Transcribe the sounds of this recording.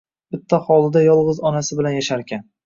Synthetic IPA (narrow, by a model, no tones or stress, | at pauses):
bɪt̪ʰːaχɒlˠɪd̪ajɒlˠʁɨzɒnasɪbɪlanjaʃaɾkʲʰan